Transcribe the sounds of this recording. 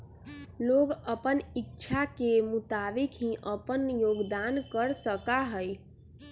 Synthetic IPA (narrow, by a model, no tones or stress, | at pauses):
loɡəpənitːt͡ʃʰakemut̪abikɦĩʔəpənjoɡd̪ankəɾsəkaɦəj